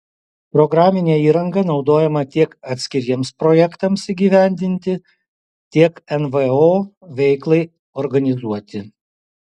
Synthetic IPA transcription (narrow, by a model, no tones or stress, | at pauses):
pɾɔɡɾɑːmʲɪnʲeːiːɾɐŋɡɐnɒʊd̪oːjɛmɐt̪ʲiɛkɐt̪ʲsʲkʲɪɾʲiɛmspɾɔjɛkt̪ɐmsiɡʲiːʋʲæˑnʲd̪ʲɪnʲt̪ʲɪ | t̪ʲiɛkɛnʋɛoːʋʲɛɪklˠɐɪ | ɔɾɡɐnʲɪzuɔt̪ʲɪ